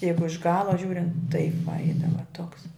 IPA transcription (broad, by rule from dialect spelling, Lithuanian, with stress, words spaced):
ˈjɛɪɡʊ ɪʃ ˈɡɑːlˠɐ ˈʒʲuːrʲɪnt tɐɪp ʋɐ ˈɛɪdɐʋɐ toːks